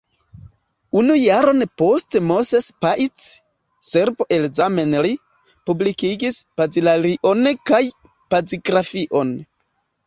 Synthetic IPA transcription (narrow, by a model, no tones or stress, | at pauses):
unujaɾo̞npo̞stemo̞sespaʔit͡s | se̞ɾbo̞ʔe̞lzame̞nli | publikiɡispazilaliʔo̞nkaj | paziɡɾafiʔo̞n